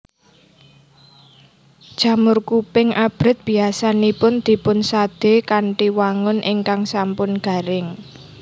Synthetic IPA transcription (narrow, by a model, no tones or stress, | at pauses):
d̥ʒ̥ä̤mʊrkupɪŋab̥ɾɪ̤t̪̚b̥i̤asanipʊnd̪̥i̤pʊnsad̪̥e̤kaɳʈiwaŋʊnʔɪŋkaŋsampʊnɡ̥a̤ɾɪŋ